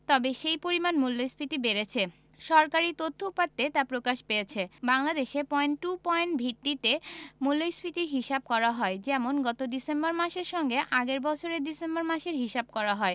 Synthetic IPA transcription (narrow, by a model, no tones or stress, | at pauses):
t̪ɔbeʃejpoɾimanmulːojspʰit̪ibeɾet͡ɕʰe | ʃɔɾkaɾit̪ot̪ʰːoupat̪ːet̪apɾokaʃpejet͡ɕʰebaŋlad̪eʃepɔjnʈʈupɔeɳʈbʱit̪ːit̪emulːojspit̪iɾɦiʃab̚kɔɾaɦɔed͡ʑɛmonɡɔt̪od̪isembaɾmaʃeɾʃɔŋɡeʔaɡeɾbɔt͡ɕʰoɾeɾd̪isembaɾmaʃeɾɦiʃab̚kɔɾaɦɔe